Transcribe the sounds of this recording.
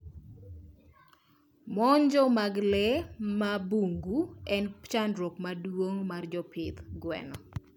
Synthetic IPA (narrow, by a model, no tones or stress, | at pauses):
mɔɲd͡ʒɔmaɡlɛmabuŋɡuɛnt͡ʃandɾokmadwoŋmard͡ʒɔpʰɪt̪ɡwɛ̰nɔ